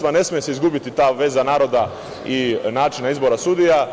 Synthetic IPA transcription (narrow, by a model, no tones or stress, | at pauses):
ʋane̞smijeseizɡubit̪it̪aːʋe̞ːzanaːɾo̞d̪a | inaːt͡ʃinaizbo̞ɾasud̪ija